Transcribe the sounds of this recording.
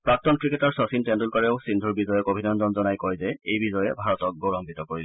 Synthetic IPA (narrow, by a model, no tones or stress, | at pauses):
pɹak̚tɔnkɹikɛtaɹsɔsintɛndulkɔɹɛʊsindʱuɹbizɔjɛkobʱinɔnzɔnzɔnajkɔɹjzɛejbizɔjɛbʱaɹɔtɔk̚ɡoɹɔmbit̪ɔkoɹil